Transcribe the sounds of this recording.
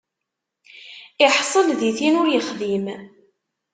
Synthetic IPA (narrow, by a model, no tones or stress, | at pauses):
ɪħsˤəlðiθinʊɾjəχðim